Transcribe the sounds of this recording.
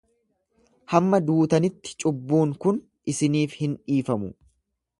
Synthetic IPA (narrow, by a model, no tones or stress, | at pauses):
hɐmːɐd̪uːt̪ɐnɪt̪ːɪ̥t͡ʃʼʊbːuːŋkʊn | ʔɪsɪniːfhɪnᶑiːfɐmʊ